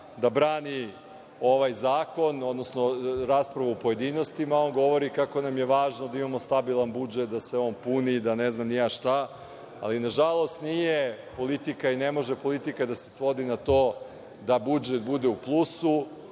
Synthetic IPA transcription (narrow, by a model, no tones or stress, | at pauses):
d̪abɾaːni | o̞ʋajzaːko̞no̞d̪no̞snoɾaːspɾaʋaupo̞je̞d̪iːno̞st̪imao̞nɡo̞ʋo̞ɾikako̞namje̞ʋaːʒnod̪aimamo̞st̪abilˠanbud͡ʒet̪̚d̪aseo̞ːnpunid̪aneznamnijaʃt̪a | a̰linaʒalˠo̞st̪nije̞po̞lit̪ikaine̞mo̞ʒepo̞lit̪ikad̪ase̞sʋo̞d̪inat̪o̞ː | d̪abud͡ʒet̪̚bud̪euplˠusu